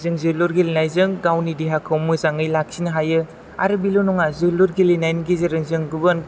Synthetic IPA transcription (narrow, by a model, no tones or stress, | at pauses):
zɯŋzɯluɾɡilinajzɯŋɡawnidiɦakʰawmɯzaŋɯjlak̚sinɯɦajɯ | a̰ɾɯbilunɔŋazɯluɾɡilinajnɡizɯɾɯŋzɯŋɡuban